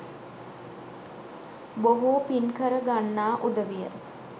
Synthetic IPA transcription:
boɦuːpinkəɾəɡanːaːʔud̪əʋijə̰ɾ

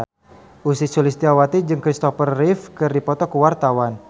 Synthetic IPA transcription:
ʔusisulist̪iawat̪id͡ʒɨŋkɾist̪ɔfərːifkɨrdipɔt̪ɔkuwart̪awan

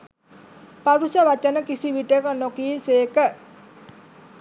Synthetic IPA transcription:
paɾusawat͡ʃanəkisiwiɖekɔnɔkisekəʔ

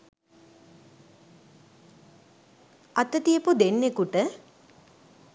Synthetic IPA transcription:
at̪ət̪ijəpud̪enːekuʈə

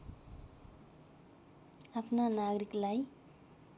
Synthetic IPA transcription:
apʰnanaɡɾiklaj

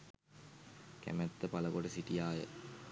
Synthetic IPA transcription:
kæ̰mæt̪ːəpaləkoʈəsiʈijaːjə

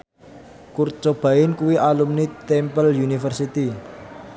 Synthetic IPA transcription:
kurt͡ʃob̥a̤ɪnkuwiʔalumnit̪ɛmpəljunifərsit̪i

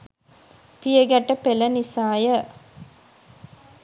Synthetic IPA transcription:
pijəɡæʈːəpelənisaːjə

